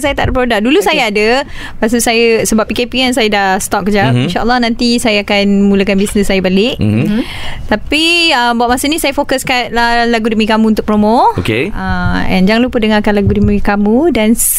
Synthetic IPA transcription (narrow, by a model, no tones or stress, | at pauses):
sajət̪aʔdəpɾodaʔ̚dulusajaadə | pas̬əsajəsəbapːikepians̬ajədahst̪ɔk̚ːəd͡ʒainʃaʔə̰lːɑhnãnt̪isajəakanmuləkanbisnəsːajəbalɪʔ | t̪apiəmbaʔ̚masənĩsajəfokəskan̚lahlaɡudəmikamuunt̪ʊk̚pɾomookeaɛ̰̃nd͡ʒaŋlupədəŋakanlaɡudəmikamũdan